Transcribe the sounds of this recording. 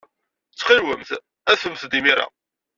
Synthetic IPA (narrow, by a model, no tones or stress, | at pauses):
t͡sːχilwə̰mθ | æθəmθd̪imiɾa̰